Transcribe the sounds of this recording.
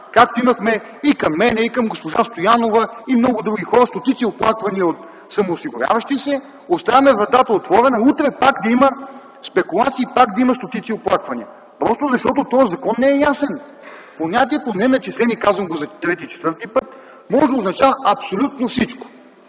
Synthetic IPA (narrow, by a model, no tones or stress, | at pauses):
kak̚t̪oimɐxmɛ | ikɐmːɛnɛikɐmɡospoʒast̪ojanovɐimnɔɡʊd̪ɾuɡʲixɔɾəst̪ot̪it̪sioplˠakvɐniəot̪ | sɐmoːsiɡʊɾʲa̰vɐʃt̪isɛ | ost̪avɐmɛvɾɐt̪at̪əot̪vɔɾɛnɐut̪ɾɛpakd̪ɐimə | spɛkulˠat̪siːpakd̪ɐimɐst̪ot̪it̪sioplˠakvɐnḭə | pɾɔst̪ozɐʃt̪ɔt̪ot̪ɔjəzɐkɔnːɛɛjasɛn | poɲʲat̪iɛt̪onɛnɐt͡ʃɛsɛnikazvɐmɡozɐt̪ɾɛt̪it͡ʃɛt̪vɤɾt̪ipɤt̪̚ | mɔʒoznɐt͡ʃavəɐpsolʲut̪nofsit͡ʃko̥